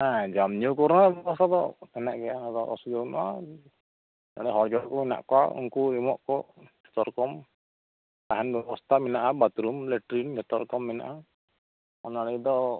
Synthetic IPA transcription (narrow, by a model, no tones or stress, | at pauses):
ad͡ʒamɲɔwkɔɾnabɛbɔst̪ʰad̪ɔɛnaʔɡɛjaɔd̪ɔʔɔ̰sud͡ʒɔwnɔwa̰ | na̰ɽɛɦɔɾd͡ʒɔɽkɔmina̰ʔkɔwa̰ṵŋkuimɔʔkɔd͡ʒʰɛ̥t̪ɔɾkɔm | t̪aɦanbɛbɔst̪ʰaminaʔabat̪ɾumlɛʈɾind͡ʒʱɛt̪ɔɾkɔmːina̰ʔa | ɔnaɽɛjd̪ɔ